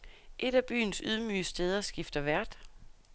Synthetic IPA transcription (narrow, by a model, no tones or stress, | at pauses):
ʔe̝d̥æb̥y̰ːnsyðˠmy̰ːsd̥eːð̞ˠɐsɡ̥ifd̥ɐʋæɐd̥